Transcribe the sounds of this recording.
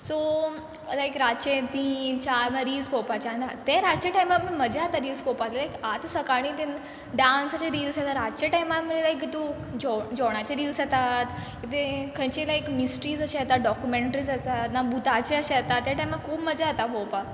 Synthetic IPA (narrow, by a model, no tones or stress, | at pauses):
so | ət̪aekɾat͡ɕet̪iːnt͡ɕaɾmaɾiːlspɔwpat͡ɕand̪at̪eɾat͡ɕeʈajmamiməd͡ʑaat̪aɾiːlspɔwpat̪elajkat̪səkaɽ̃ĩːt̪ẽn | ɖansaɕeɾiːlsat̪aɾatt͡ɕeʈajmaməelajk̬it̪ũ | d͡ʑɔd͡ʑɔɽ̃at͡ɕeɾiːlsat̪at̪kit̪ekʰə̃jt͡ɕelajkmisʈɾiːzəɕeat̪at̪ɖɔkjumeɳʈəɾiːzat̪at̪nabut̪at͡ɕeəɕeat̪at̪ːjaʈajmakkʰuːpməd͡ʑaat̪apɔwpa